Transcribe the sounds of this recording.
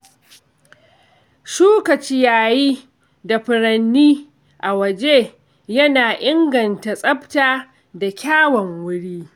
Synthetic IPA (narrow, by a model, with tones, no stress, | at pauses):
ʃuː˦kɐ˨t͡ʃiː˦jaː˨jiː˦ | da˨ɸɪ˨ɽɐ˨nːiː˦ | ʔa˨wɐ˨d͡ʒe˦ | jɐ˦naː˨ʔɪ˦ŋɡɐ˨nta˨sʼɐ˦ptaː˦ | da˨kʲaː˦wɐ˨ŋwʊ˦ɽiː˦